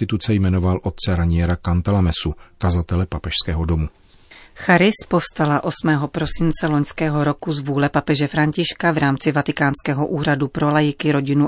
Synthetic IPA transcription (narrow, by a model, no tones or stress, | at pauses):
t̪ɪt̪ut͡sɛjmɛnovalʔot̪̚t͡sɛɾaɲɪjɛɾakant̪alamɛsukazat̪ɛlɛpapɛʃskɛːɦodomu | xaɾɪspofst̪alaʔo̞smɛːɦopɾosɪnt͡sɛloɲskɛːɦoɾokuzvuːlɛpapɛʒɛfɾaɲcɪʃkavɾaːmt͡sɪvat̪ɪkaːnskɛːɦoʔuːɾadupɾolajɪkɪɾoɟɪnu